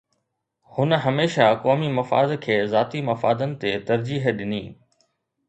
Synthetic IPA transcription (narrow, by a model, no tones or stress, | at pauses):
hʊnəɦɐmeːʃakɔːmimɐfa̰ːd̪kʰeːzaːt̪imɐfa̰ːd̪ənɪ̆t̪et̪ɐɾd͡ʑiːɦɗɪniː